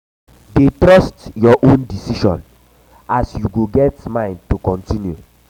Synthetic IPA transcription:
detɹɔstjɔʔõndisiʃɔ̰̃n | asjuɡoɡɛtmãɪ̃nd̚tukɔ̃ntĩnjṵ

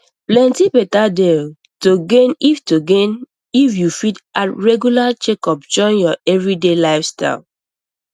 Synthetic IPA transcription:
plɛ̃ntipɛtade | toɡẽniftoɡẽn | ifjufitatɹɛɡjulat͡ʃekɔp̚t͡ʃɔ̃njɔɛvɹidelaɪfsta̰ɪl

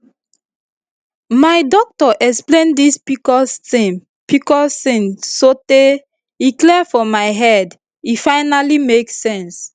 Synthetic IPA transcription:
maɪdɔk̚tɔʔɛksplẽndispikɔstĩm | pikɔstĩnsote | iklɛfɔmaɪɦɛd | ifaɪnalimeksɛ̃ns

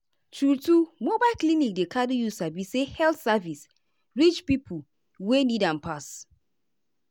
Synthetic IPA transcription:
tʰɹutumobaɪlklinik̚dekʰaɾijusabisehɛltsavis | ɹit͡ʃpipʰu | wenidãnpas

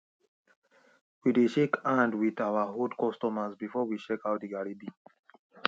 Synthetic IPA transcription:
wideʃekʰãndwiðawaɦodkɔstɔmasbifɔwiʃekawt̚diɡaɹibi

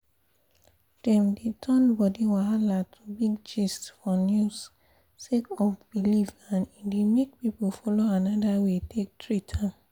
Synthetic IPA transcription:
d̥ɛ̃mdetʰɔ̃nbɔdiwaɦalatʰubiɡd͡ʒistfɔnjus | sekɔfbilivãnidimek̚pipufɔloanɔdawetʰek̚tʰɹitʰã

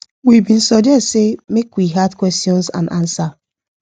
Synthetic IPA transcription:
wibĩn̩sɔd͡ʒɛtsemekwiɦadkwɛstjɔ̃nsã̰nãnsa

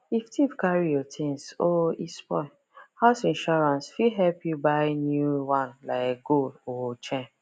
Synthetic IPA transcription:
iftʰivkaɹijɔtʰĩŋsoispɔ̰ɪ | haʊsĩnʃɔɹãnsfiɦɛlpʰjubaɪnjuwãnlaɪɡolɔt͡ʃɛ̃

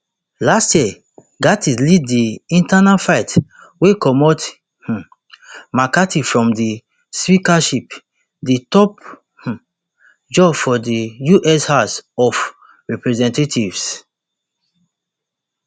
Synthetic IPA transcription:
lastjɛ | ɡatiliddiĩntanafaɪt | wekɔmɔt | makatifɹɔ̃mdi | spikaʃip | ditɔp̚ | d͡ʒɔbfɔdijuʔɛshasɔf | ɹɛpɹɛzɛ̃ntetʰivs

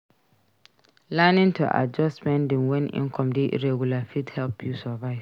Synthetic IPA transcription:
lɛnɪ̃ntʰuʔa̰d͡ʒɔstmɛ̃ndɪ̃nwɛ̃nḭ̃ŋkʰɔ̃mdɪʔɾɛɡulafithɛlpʰjusɔvaɪs

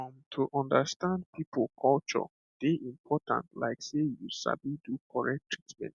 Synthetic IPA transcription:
ɔ̃mtʰuʔɔ̃ndəstʰãnd̚pʰipʰlˠkʰɔlt͡ʃɔ̰ | d̥eʔĩmpʰɔtʰã̰ntla̰ɪksejusa̰bidukʰɔɹɛk̚tʰɹitmɛ̰̃nt

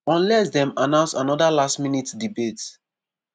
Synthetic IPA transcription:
ɔ̃nlɛsdɛ̃manãʊnsanɔdalastminitdibet

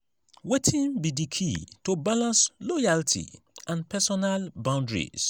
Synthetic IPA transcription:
wetʰĩnbidikʰitobalãnslɔjaltʰḭ | ãnpʰɛsɔnalbãʊ̃ndɹḭs

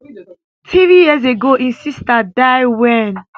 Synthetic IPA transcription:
tʰivijiz̬eɡoʔĩnsistadajwɛ̃n

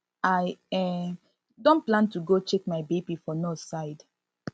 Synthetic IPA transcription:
aɪɛ | dõnplãntuɡot͡ʃekmaɪbebifɔnosaɪd

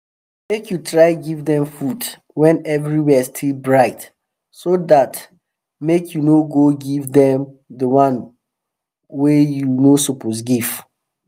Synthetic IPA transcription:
mekjutʰɹaɪɡivdɛ̃mfud | wɛ̃nɛvɹiwɛstʰilbɹaɪt | sodat | mekʰjunoɡoɡivdɛ̃mdəwãn | wejunosupos̬ɡiv̥

